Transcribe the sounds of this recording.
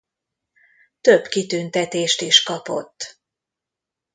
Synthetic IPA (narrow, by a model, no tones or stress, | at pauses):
t̪øbkit̪ynt̪ɛt̪eːʃt̪iʃkɒpo̞̰t̪ː